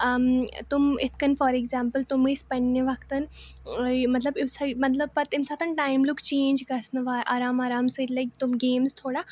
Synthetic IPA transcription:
ɐmt̪ʊmɪt̪ʰkɐnfɔːɾeɡzaːmpəlt̪ʊmispɐɳːeʋɐkt̪ɐn | mɐt̪lɐbɪmsamɐt̪lɐbpɐt̪ɪmsaːt̪ɐnʈaːɪmlʊkt͡ʃẽːnd͡ʒkɐsnɐʋaːʔaːɾaːmaːɾaːmsɨlɐjk̚t̪ʊmɡeːmzt̪ʰoːɽaː

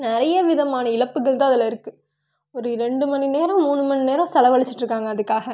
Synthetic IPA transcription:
nɪɾɐjɐʋɪðɐmaːnɐɪlɐpːɯɣɐɭt̪ãːɐðɪlɐɪɾɯkːɯ | ɔɾɯɾɛɳɖɯmɐnineːɾɐ̃muːɳːɯmɐnineːɾɐ̃sɐlɐʋɐɭɪt͡ʃːɪʈːrɯkːaːŋɡɐːðɯkːaːɣɐ

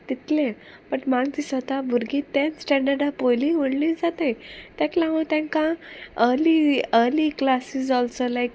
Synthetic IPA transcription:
t̪it̪lẽ | pəʈmaɡd͡ʑisʋət̪abʱuɾɡit̪ẽnsʈɛ̃ɳɖəɾɖapojliʋoɽliːd͡zat̪əjt̪jãklãʋət̪jãŋkãəɾliəɾliklasizɔlsolajk

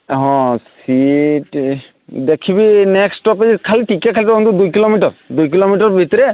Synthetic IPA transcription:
ɦɔ̃s | iʈ | d̪ekʰibinɛksʈɔp̬ezɛkʰaliʈʰikɛkʰalit̪uɦunt̪ud̪ujkilomiʈɔɹd̪ujk̬ilomiʈɔɹbʱit̪ɔɾɛ

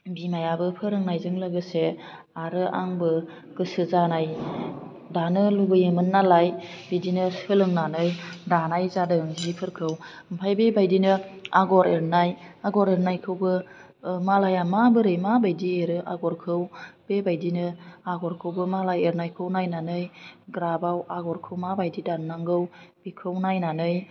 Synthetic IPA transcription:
bimajabɯpʰɯɾɯŋnajzɯŋlɯɡɯse | aɾɯʔaŋbɯ | kɯsɯzanaj | danɯluɡɯjɯmɯnːalajbidinɯsɯlɯŋnanɯjdanajzadɯɯŋzipʰɯɾkʰɯw | ɯmpʰajbebajdinɯaɡɔɾeɾnajaɡɔɾeɾnajkʰɯwbɯ | malajamabɯɾɯjmabajdieɾɯʔaɡɔɾkʰɯwb̥ebajdinɯaɡɔɾkʰɯwbɯmalajeɾnajkʰɯwnajnanɯjɡɾabawaɡɔɾkʰɯwmabajdidannaŋɡɯwb̥ikʰɯwnajnanɯj

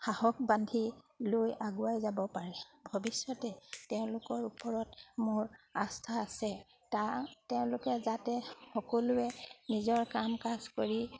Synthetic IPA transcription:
xahɔk̚bandʱi | lojaɡʊajzabɔpaɹɛbʱɔbisjɔtɛtɛʊ̃lʊkɔɹupɔɹɔtmʊɹastʰaːsɛ | tatɛʊ̃lʊkɛzatɛxɔkɔlʊɛnizɔɹkamkazkoɹi

